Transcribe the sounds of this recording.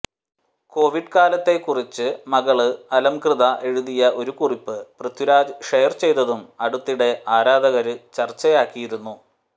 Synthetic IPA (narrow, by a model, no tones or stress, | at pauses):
ko̞ːʋiɖkaːlɐt̪ːe̞kːurit͡ɕːɨmɐɣɐɭɨɐlɐmkrɨðɐʔe̞ɻuðijɐʔo̞ɾukuripːɨprɨt̪juɾaːd͡ʑʂejɐrt͡ɕe̞jt̪ɐðumɐɽut̪ːiɽe̞ʔaːɾaːd̪ʱɐɣɐɾɨt͡ɕɐrt͡ɕːɐjaːkːijiɾunːu